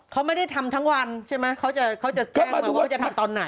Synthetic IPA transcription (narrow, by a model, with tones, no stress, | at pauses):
kʰa˦˥wma˥˩jda˥˩jt̪ʰa˧mt̪ʰa˦˥ŋwa˧nt͡ɕʰa˥˩jma˦˥jkʰa˦˥wt͡ɕa˨˩kʰa˦˥wt͡ɕa˨˩t͡ɕɛ˥˩˧a˧˨kʰa˦˥˩t͡ɕa˨t̪ʰa˧mt̪ɔː˧nːa˩˦j